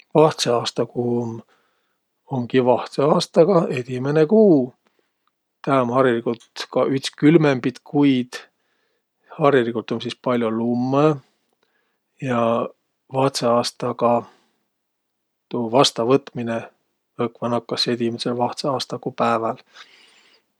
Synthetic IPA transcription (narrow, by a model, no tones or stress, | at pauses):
vɑht̪seɑːst̪ɑkum | oŋkivɑht̪seɑːst̪ɑɡ̥ɑe̞d̪imenekuː | t̪æonhɑɾjilikut̪kɑʔyht̪skylmembit̪kʰujd̪̥ | hɑrjilikult̪ːˑonsispɑlʲjolumːe | jɑ | vɑht̪seɑːst̪ɑɡɑ | t̪uvɑst̪ɑvɤt̪mine | ɤkvɑnɑkːˑɑsed̪imeselvɑht̪seɑːst̪ɑkuːpæevɑl